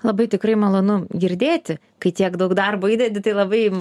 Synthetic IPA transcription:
lˠɐbɐɪt̪ʲɪkrɐɪmɐlˠoːnʊɡʲɪɾʲd̪ʲeːt̪ʲɪ | kɐɪt̪ʲiɛkd̪ɐʊkd̪ɐrboːiːdʲɛd̪ʲɪt̪ɐɪlˠɐbɐɪ

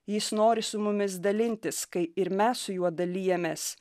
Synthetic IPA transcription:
jɪsnoːɾʲɪsʊmʊmʲɪs̬d̪ɐlʲɪnʲt̪ʲɪskɐɪɪɾmʲɛssʊjuɔd̪ɐlʲiːjɛmʲeːs

